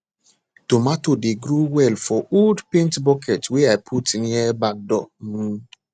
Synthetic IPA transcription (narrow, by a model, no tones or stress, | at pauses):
tomatodeɡɾuwɛlfɔoldpĩntbɔkʰɛtweajpʰutinjɛbak̚dɔm̩